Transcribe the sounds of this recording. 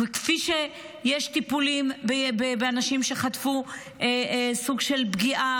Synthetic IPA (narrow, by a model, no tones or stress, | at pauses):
ekfiʃe | jeʃt̪ipulimbbebeanaʃimʃe̞χat̪fu | ʔesuɡʃelbɡiʔa